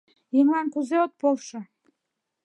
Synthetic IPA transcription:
jɤŋlˠɑnkuzeot̪̚polˠʃɤ̆

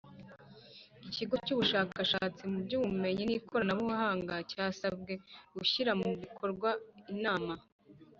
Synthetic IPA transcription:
iciɡo̞cuːβuʃaːkaʃaːt͡simubɟuːβumme̞ɲinikʰoɾanaβuhahaːŋɡacaːsab̚ɡe̞ɡuʃiɾamuβikʰo̞ɾɡwainaːma

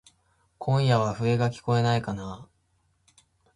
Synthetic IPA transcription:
kʰõ̞ɰ̃jaβ̞aɸɯ̟e̞ɡakʲi̥ko̞e̞naikana

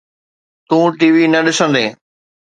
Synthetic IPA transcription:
t̪ũːʈiːʋinɐɗɪsə̃nd̪ẽː

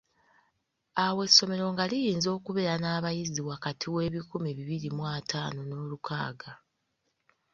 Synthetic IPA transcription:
awe̞sːo̞me̞ɾo̞ŋɡalijiːnzo̞ːkuβe̞ɾanaːβajiziwakatʰiwe̞ːβikumiβiβiɾimwaːtʰaːno̞no̞ːluka̰ːɡa

